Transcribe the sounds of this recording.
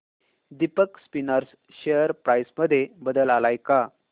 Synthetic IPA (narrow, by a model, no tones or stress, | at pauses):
d̪ipəkspinəɾs | ɕejəɾpɾajsməd̪ʱːjebəd̪əlalajka